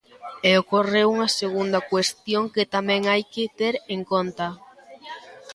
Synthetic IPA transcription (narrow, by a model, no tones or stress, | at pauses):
eokoreuŋɐseɣ̞und̪ɐkwest̪joŋkɪt̪amɛ̃ŋajkɪt̪eɾeŋkont̪ɐ